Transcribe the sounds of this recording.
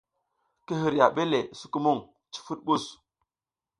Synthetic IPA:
ki˦ɦi˨ɾja˨ɓe˦le˨su˦ki˦mu˦˨ŋ | t͡ʃi̥˦fu˦t̚ɓu˦˨s

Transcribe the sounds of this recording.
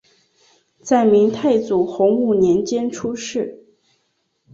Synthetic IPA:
t͡sa˥˩ɪmi˧˥ŋt̪ʰa˥˩ɪt͡su˨˩xʊ˧˥ŋu˥˩njɛ˧˥nt͡ɕjɛ˥nʈ͡ʂʰu˥ʂɻ̩˥˩

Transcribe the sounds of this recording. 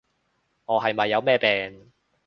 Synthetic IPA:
ʔɔː˨˧ɦɐ˨jmɐ˨jːɐ˨˧wmɛː˥˧pɛː˨n

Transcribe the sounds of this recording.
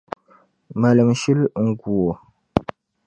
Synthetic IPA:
mɐ˨lə˨mʃi˦lŋ̩˨ɡu˨o˨

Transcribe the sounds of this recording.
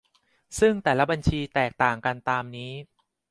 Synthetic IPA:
sɯ˥˩ŋt̪ɛː˨˩la˦˥ba˧nt͡ɕʰiː˧t̪ɛː˨˩k̚t̪aː˨˩ŋka˧nt̪aː˧mniː˦˥

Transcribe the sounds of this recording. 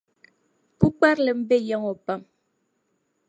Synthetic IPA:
ku˦k͡pa˦ɾle˨m̩˦be˦jɔ˦ŋɔ˨pa˦˨m

